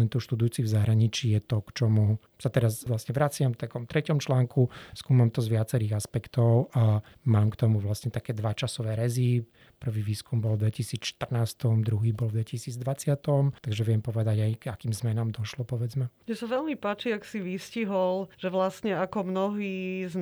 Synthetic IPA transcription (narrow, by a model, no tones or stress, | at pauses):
ɛnt̪uːʃt̪ud̪ujuːt͡sivzaɦɾaɲit͡ʃiːjɛt̪ɔkt͡ʃɔmu | sat̪ɛɾazʋlasɲɛʋɾat͡sɪamft̪akɔmt̪ɾʔɛcɔmt͡ʃlaːŋkuskuːmamt̪ɔzʋɪat͡sɛɾiːɣaspɛkt̪ɔʊʔamaːmkt̪ɔmuʋlasɲɛt̪akɛːd̪ʋat͡ʃasɔʋɛːɾɛzi | pr̩ʋiːʋiːskumbɔlvd̪ʋɛcisiːt͡sʃt̪ər̩naːst̪ɔmd̪ɾuɦiːbɔlvd̪ʋɛcisiːd͡zd̪ʋat͡sɪat̪ɔmt̪aɡʒɛʋɛmpɔʋɛd̪aɟajɡ̥akiːmzmɛnaːmd̪ɔʃlɔpɔʋɛd͡zmɛmɪɛsaʋɛlmipaːt͡ʃiaksiʋisciɦɔlʒ̥ɛʋlasɲɛakɔmnɔɦiːz